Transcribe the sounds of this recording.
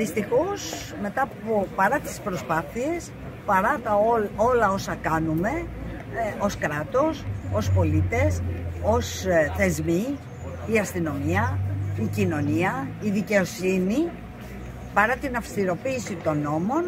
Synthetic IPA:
ðist̪ixo̞s | me̞t̪ɐpopɐɾɐt̪i̥spɾo̞spɐθie̞s | pɐɾɐt̪ɐoo̞lɐo̞sɐkɐnume̞ | o̞skɾɐt̪o̞so̞spo̞lit̪e̞so̞sθe̞zmi | iɐst̪ino̞miɐicino̞niɐiðice̞o̞sini | pɐɾɐt̪inɐfst̪iɾo̞piːsit̪o̞no̞mo̞n

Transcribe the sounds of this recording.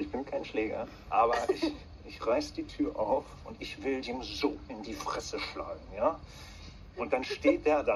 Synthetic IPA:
ɪçb̥ɪnkʰaɪnʃleːɡɐ̰ | ʔaːbɐɪç | ʔɪçʁaɪsəd̥iːtʰyːɐʔaʊfʔʊntɪçv̥ɪldiːmzoːʔɪndiːfʁ̥ɛsəʃla̰ːɡŋ̩jaː | ʔʊnt̚d̥anʃteːt̚d̥eːɐda

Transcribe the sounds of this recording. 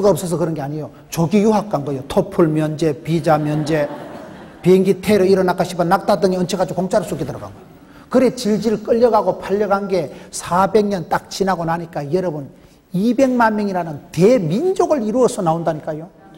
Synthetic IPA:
ɡaʌp̚s͈ʌs̬ʰʌkɯɾʌnɡe̞aɲijo | t͡ɕoɡijuɦak̚k͈aŋɡʌjotʰopʰuɭmjʌnd͡ʑe̞pid͡ʑamjʌnd͡ʑe̞ | pieŋɡitʰeɾɯiɾʌnak͈aɕ͈ʰibanːak̚t͈adɯŋeʌnt͡ɕʰekɡad͡ʑokoŋt͡ɕ͈aɾɯɭs͈ʰokidtʌɾʌɡa̰nɡʌj | kɯɾe̞t͡ɕiɭd͡ʑiɾɯɭk͈ʌʎːʌɡaɡopʰaʎːʌɡanɡe̞sʰabe̞ŋɲʌnt͈ak̚t͡ɕinɦaɡonaɲik͈ajʌɾʌbɯn | ibe̞ŋmanmjʌŋiɾanɯnte̞mind͡ʑoɡɯɭiɾuʌsʰʌnaondaɲik͈ajo

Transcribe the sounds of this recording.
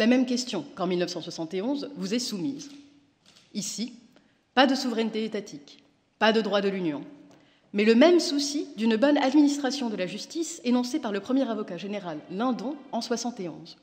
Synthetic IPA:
lamɛmkʲɛst̪jɔ̃kɑ̃milnəfsɑ̃swasɑ̃t̪eɔ̃zvuzɛsumiz | isi | pad̪əsuvʁɛnt̪eet̪at̪ʰik | pad̪əd̪ʁwad̪əlynjɔ̃ | mɛləmɛmsusid̪ynbɔnad̪minist̪χasjɔ̃d̪əlaʒyst̪isenɔ̃sepaʁləpχəmjɛʁavɔkaʒeneʁalːɛ̃d̪ɔ̃ɑ̃swasɑ̃t̪eɔ̰̃z

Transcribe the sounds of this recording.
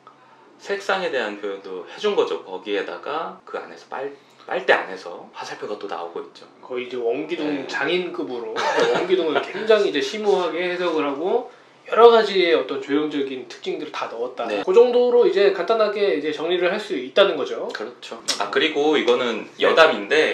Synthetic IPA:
sʰe̞k̚s͈aŋe̞de̞ɦankjojondohe̞d͡ʑunɡʌd͡ʑo̰kʌɡie̞da̰ɡakɯa̰ne̞sʰʌp͈aɭ | p͈a̰ɭt͈e̞a̰ne̞sʰʌ̰pasʰaɭpʰjoɡat͈ona̰oɡoit̚t͡ɕ͈okʌiːd͡ʑe̞wʌŋɡidoŋt͡ɕaŋink͈ɯbɯɾowʌŋɡidoŋɯɭkwe̞ŋd͡ʑaŋid͡ʑe̞ɕʰimoɦaɡe̞hedʌɡɯɾɦaɡo | jʌɾʌɡad͡ʑieʌt͈ʌnt͡ɕojoŋd͡ʑʌɡintʰɯ̥k̚t͡ɕ͈iŋdɯɾitanʌʌt̚t͈ankod͡ʑʌŋdoɾoid͡ʑe̞kant͈anɦaɡe̞id͡ʑe̞t͡ɕʌŋɲiɾɯɭhaɭs͈uit̚t͈anɯnɡʌd͡ʑokɯɾʌt͡ɕʰoakɯɾiɡoiɡʌnɯnjʌdaminde̞

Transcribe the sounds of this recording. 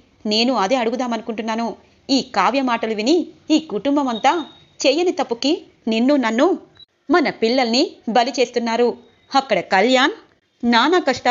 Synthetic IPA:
ne̞ːnuɐd̪e̞ːɐɽuɡud̪aːmɐnukuɳʈunːaːnu | iːkaːʋjɐmaːʈɐluʋiniiːkuʈumbɐmɐnt̪aː | t͡ʃɛːjɐnit̪ɐpːuki | ninːunɐnːu | mɐnɐpiɭːɐlnibɐlit͡ʃe̞ːst̪unːaːɾu | ɐkːɐɽɐkɐljaːn | naːnɐkɐʂʈɐ

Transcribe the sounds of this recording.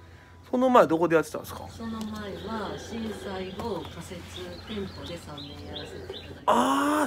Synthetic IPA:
so̞no̞maed̪o̞ko̞d̪ejat̪ːet̪ã̰nsɨ̥ka̰so̞nomaeβaɕĩɰ̃saiokase̞t͡sɨt̪ẽ̞mpo̞d̪e̞sãmːẽjaɾase̞t̪e | a

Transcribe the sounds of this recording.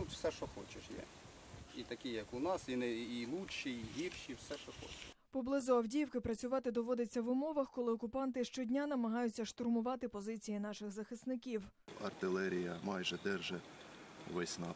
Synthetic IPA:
t̪ut̪wsɛʃɔxɔt͡ʃeʃjɛ̰ | it̪ɐkʲijɐkʊnɑsinɛilˠuʃiiɦʲirʃiwsɛʃɔxɔ̰t͡ʃɪʃpɔblˠɪzʊɐwdʲijwkɪpɾɐt͡sʲʊʋɑt̪ɪd̪ɔʋɔd̪ɪt͡sʲːɐʋʊmɔʋɐxkɔlˠɪɔkʊpɑnt̪ɪʃt͡ʃɔdʲnʲanɐmɐɦɑjʊt͡sʲːɐʃt̪ʊrmʊʋɑt̪ɪpɔzɪt͡sʲijinɑʃɪxzɐxɪsnɪkʲiwɐ̰rt̪ɪlˠɛɾʲijɐmɑjʒɛd̪ɛrʒɛ | ʋɛsʲnɑ̰

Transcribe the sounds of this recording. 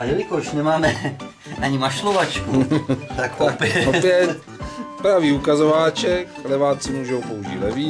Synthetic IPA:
ajɛlɪkoʃnɛmaːmɛ | ʔaɲɪmaʃlovat͡ʃkut̪akopɛopjɛt̪ | pɾaviːukazovaːt͡ʃɛklɛvaːt͡sɪmuːʒowpouʒḭːlɛviː

